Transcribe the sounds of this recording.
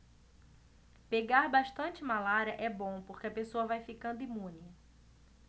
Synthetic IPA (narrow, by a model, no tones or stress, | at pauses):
peɡaɾbaʃt̪ɐ̃t͡ʃɪmalaɾɐʔɛbõpoɾkeɐpesoɐvajfikɐ̃nd̪ʊimũnɪ